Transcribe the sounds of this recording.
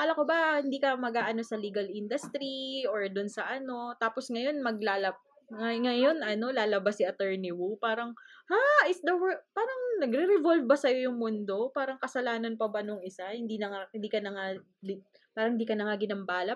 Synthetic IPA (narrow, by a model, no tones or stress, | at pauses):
kaːlɐkobɐhɪnd̪iːkɐmɐɡaːʔɐno̞sɐliːɡɐlʔɪnd̪ʊst̪ɾioɹd̪ʊnsɐʔɐno̞t̪aːpo̞sŋɐjo̞nmɐɡ̚lalɐ | ɐŋɐjo̞nʔɐno̞laːlɐbasɪɐt̪ɛɹnɪwupaːɾɐŋhaʔɪsd̪ɐwɛpaːɾɐŋnɐɡɾɪɾɛvolvbɐsɐjo̞jʊŋmʊnd̪o̞paːɾɐŋkɐsɐlaːnɐnpɐbɐnʊŋʔɪsahɪnd̪iːnɐŋaɪnd̪iːkɐnɐŋa | li | paːɾɐŋɪnd̪iːkɐnɐŋaɡɪnɐmbaːlɐ